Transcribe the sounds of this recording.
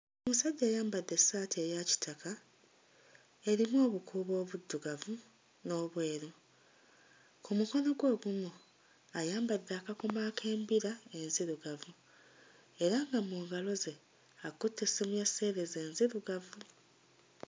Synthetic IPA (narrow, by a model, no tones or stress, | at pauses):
omusaɟːeːjaːmbadːe̞saːtʰejaci̥tʰaka | e̞ɾimo̞ːβukʰuːβo̞ːβud̪ːuɡavu | no̞ːβwe̞ːɾo | kumuko̞no̞ɡwo̞ːβumu | ajaːmbadːaːkako̞makʰe̞ːmbiɾae̞nziɾuɡavu | e̞ɾaŋɡamuːŋɡalo̞ze̞ | akutːesimujasːe̞ːɾeze̞ːnziɾuɡavu